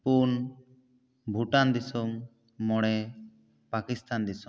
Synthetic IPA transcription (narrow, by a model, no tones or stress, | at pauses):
pun | bʱuʈand̪isumː | ɔɽɛ | pakist̪and̪isum